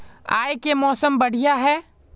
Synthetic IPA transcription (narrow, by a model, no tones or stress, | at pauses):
a̰ːjekemɔːsəmbɐɽ̤ijaɦɛː